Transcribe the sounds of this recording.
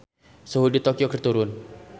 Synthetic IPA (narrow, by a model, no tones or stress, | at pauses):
səɦudit̪okiokərt̪uɾʊn